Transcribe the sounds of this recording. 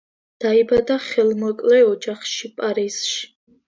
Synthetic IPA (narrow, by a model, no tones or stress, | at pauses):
d̪̥aibad̪aχɛlmɔkʼlɛɔd͡ʒaχʃipʼaɾiz̥ʃ